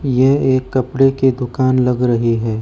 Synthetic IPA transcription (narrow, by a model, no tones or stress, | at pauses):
jɛɦeːkːɐpɽeked̪ʊkaːnlɐɡɾɐɦiɦɛː